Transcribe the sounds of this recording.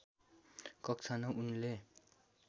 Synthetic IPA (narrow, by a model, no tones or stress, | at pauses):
kʌkt͡sʰanʌʔunle